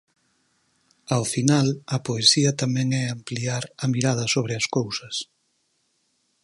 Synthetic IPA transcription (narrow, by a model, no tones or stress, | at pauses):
awfinalɐpoesiɐt̪amɛ̃ŋɛampliaɾɐmiɾað̞ɐsoβ̞ɾɪɐskowsɐs